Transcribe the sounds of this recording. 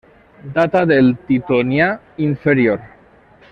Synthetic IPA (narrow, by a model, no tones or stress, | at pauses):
d̪at̪aðelt̪it̪onia | iɱfeɾioɾ